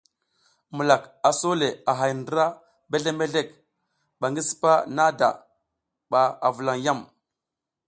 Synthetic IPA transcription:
mu˨la˨ka˨so˦le˨a˨ɦa˨jndə˦ɾa˦ | be˦ɮe˦me˦ɮe˦˨k | ɓa˨ŋɡi˦si̥˦pa˦na˦da̰˨ | ɓa˨a˨vu˨la˨ŋja˦˨m

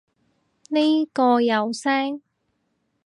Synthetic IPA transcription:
ne˥kɔː˧jɐ˨wsɛː˥ŋ

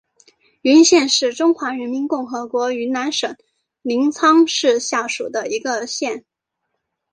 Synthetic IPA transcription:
y˧˥nɕjɛ˥˧nʂɻ̩˥˩ʈ͡ʂʊ˥ŋxwa˧˥ɻə˧˥nmi˧˥nkʊ˥˩ŋxɤ˧˥kwɔ˧˥y˧˥na˧˥nʂɤ˨˩˦ŋ | li˧˥ŋt͡sʰɑ˥ŋʂɻ̩˥˧ɕja˥˩ʂṵ˨˩d̪ə˦i˧˥ɡə˧ɕjɛ˥˩n

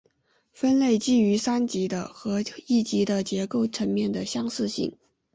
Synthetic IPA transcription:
fə˥nle˥˩ɪt͡ɕi˥˩y˧˥sa˥nt͡ɕi˧˥d̪ə˧xɤ˧˥i˥˩t͡ɕi˧˥d̪ə˧t͡ɕjɛ˧˥ko˥˩ʊʈ͡ʂʰə˧˥nmjɛ˥˩nd̪ə˩ɕjɑ˥ŋsɹ̩˥˧ɕḭ˥˩ŋ

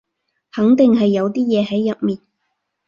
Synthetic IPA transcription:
hɐ˨˥ŋt̪ɪ˨ŋɦɐ˨jːɐ˨˧wt̪iː˥jɛː˨˧ɦɐ˨˥jːɐ˨t̚miː˨n

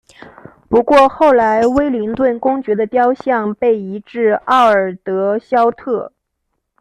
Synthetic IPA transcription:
pu˧˥kwɔ˥˧xo˥˩ʊla˧˥ɪwe˥ɪli˧˥ŋt̪wə˥˩nkʊ˥ŋt͡ɕɥɛ˧˥d̪ə˧t̪jɑ˥ʊɕjɑ˥˧ŋpe˥˩ɪi˧˥ʈ͡ʂɻ̩˥˧ɑ˥˩ʊə˞˨˩t̪ɤ˧˥ɕjɑ˥ʊt̪ʰɤ˥˩

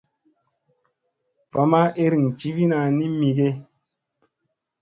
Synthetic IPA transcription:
fa˨ma˦ʔe˦ɾi˨ŋt͡ʃi˦vi˦na˨ni˦mi˨ɡe˦

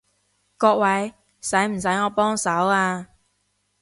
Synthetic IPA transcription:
kɔː˧k̚wɐ˨˥j | sɐ˨˥jm̩˨˩s̬ɐ˨˥jŋɔː˨˧pɔː˥ŋsɐ˨˥waː˧

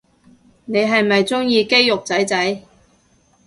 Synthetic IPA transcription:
ne˨˧jɦɐ˨jmɐ˨jt͡sʊ˥ŋjiː˧ke˥jːʊ˨k̚t͡sɐ˨˥jt͡sɐ˨˥j

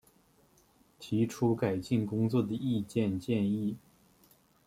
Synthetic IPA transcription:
t̪ʰi˧˥ʈ͡ʂʰu˥ka˨˩ɪt͡ɕi˥˩nkʊ˥ŋt͡swɔ˥˩d̪ə˩i˥˧t͡ɕjɛ˥˧nt͡ɕjɛ˥˧ni˥˩

